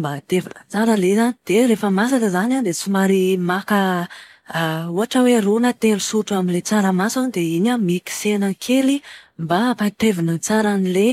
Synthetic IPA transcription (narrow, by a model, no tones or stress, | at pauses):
mbat̪evinə̰t͡saɾəlezanid̪̥eɾefəmas̬alezanand̪et͡sumaɾimakə | uaʈ͡ʂəwerunət̪elusuʈ͡ʂuaminlet͡saɾəmasanid̪eiɲamiki̥senəkʰelimbapat̪evinət͡saɾanile